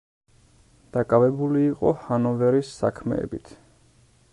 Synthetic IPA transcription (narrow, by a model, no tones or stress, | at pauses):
d̪̥akʼavɛbuliːqʼɔhanɔvɛɾisːa̰kʰmɛ̰ːbit̪ʰ